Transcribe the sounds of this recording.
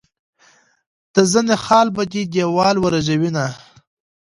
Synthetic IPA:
d̪̥əzənexɑːlbad̪id̪ewɑːlwəɾaʒawina

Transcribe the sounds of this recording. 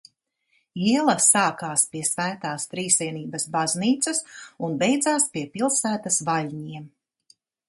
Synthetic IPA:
iɛlˠɐsaːkaːspiɛsvæːt̪aːst̪ɾiːsʲiɛniːbɐsbazniːt̪sɐsunbejd̪zaːspiɛpilˠsæːt̪ɐsvalʲɲiɛm

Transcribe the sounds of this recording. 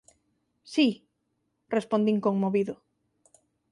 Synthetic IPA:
si | respond̪iŋkoŋmoβiðʊ

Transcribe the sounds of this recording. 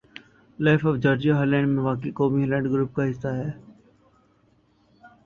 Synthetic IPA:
laːfɔːʋd͡ʒɔːɾd͡ʒioɦɐlɛ̃ːɳɖmẽʋaːk̬ekoːmiɦɐlɛ̃ːɳɖɡɾuːp̚kaɦɪsːaɦɛː

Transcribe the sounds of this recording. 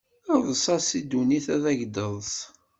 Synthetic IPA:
əðˤəsˤɑsid̪uniθæðæʝd̪əðˤs

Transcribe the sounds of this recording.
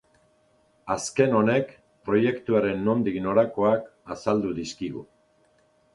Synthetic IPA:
aske̞no̞ne̞k | pɾo̞je̞kt̪uaɾe̞nːo̞nd̪ino̞ɾako̞akasald̪uðiskiɣṵ

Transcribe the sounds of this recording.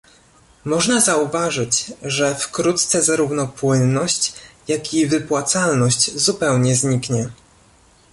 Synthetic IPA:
mɔʐnazauvaʐɘt͡ɕʐɛfkɾut̪̚t̪sɛzaɾuvnɔpwɘnːɔɕt͡ɕjakʲivɘpwat̪salnɔɕt͡ɕzupɛwɲɛzɲikɲɛ

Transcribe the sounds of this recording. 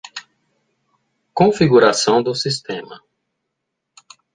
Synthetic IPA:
kõfiɡuɾasɐ̃w̃d̪ʊsist̪ẽmɐ̰

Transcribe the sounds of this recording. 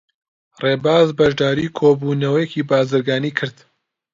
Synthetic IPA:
reːbaːzbɐʒd̪aːɾiːkʰoːbuːnɐwɐjeciːbaːzɨɾɡaːniːkʰɨɾd̪̥

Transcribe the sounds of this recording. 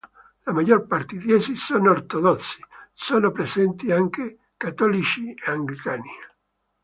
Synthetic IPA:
lamaʎːorpart̪ed̪jesisonoːrt̪od̪ɔt̪sːi̥soːnopɾesɛnt̪iaŋke | kat̪ɔlit͡ʃieaŋɡlikaːni

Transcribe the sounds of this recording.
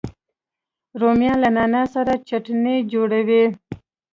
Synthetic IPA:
ɾomjɑlanɑnɑsaɾat͡ʃaʈned͡ʒoɽawe

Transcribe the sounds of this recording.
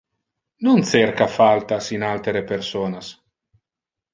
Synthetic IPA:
nont̪seɾkafalt̪asinalt̪eɾepeɾsoːnas

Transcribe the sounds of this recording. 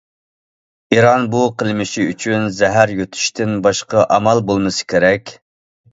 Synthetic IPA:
iɾɑnbuqʰəlˠmɪʃiyt͡ʃʰynzɛɦæɾjøt̪ʰy̥ʃt̪ʰɪnbɑʃqɑʔɑmɑlˠbolˠmɨsɨ̥kʲeɾɛkʲ

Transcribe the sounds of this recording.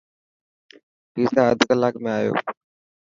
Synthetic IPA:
piːsaəd̪ʱkəlaːkmẽaːjo̰ː

